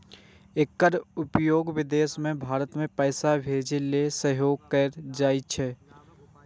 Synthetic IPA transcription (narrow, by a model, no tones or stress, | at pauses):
ekːəɾʊpjoːɡʋɪd̪eːsmẽbʱaːɾət̪mẽpɛːsabʱeːd͡ʒelesəɦjoːɡkəɾd͡ʒaːit͡ʃʰɛ